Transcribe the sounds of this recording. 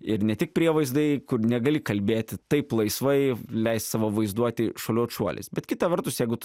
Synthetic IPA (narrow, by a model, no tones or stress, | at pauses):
ɪɾnʲɛt̪ʲɪk̚pʲɾʲiɛʋɐɪzd̪ɐɪkʊrnʲɛɡɐlʲɪkɐlʲbʲeːt̪ʲɪt̪ɐɪplˠɐɪsʋɐɪlʲɛɪst̪sɑʋoʋɐɪzd̪uɔt̪ʲɪʃolʲoːt͡ʃuɔlʲɪ̰sbʲɛt̪kʲɪt̪ɐʋʲɛrt̪ʊsjɛɪɡʊ